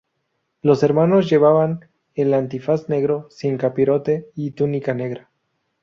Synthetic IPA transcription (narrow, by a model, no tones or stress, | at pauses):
lo̞se̞ɾmano̞zʝe̞βaβan | elant̪ifasne̞ɣɾo̞siŋkapiɾo̞t̪e̞it̪unikane̞ɣɾa